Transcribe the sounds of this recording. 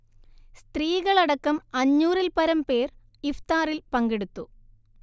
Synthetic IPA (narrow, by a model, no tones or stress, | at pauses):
st̪riːɣɐɭɐɽɐkːɐmɐɲːuːrilpɐɾɐmpe̞ːr | ift̪aːrilpɐŋɡeɽut̪ːu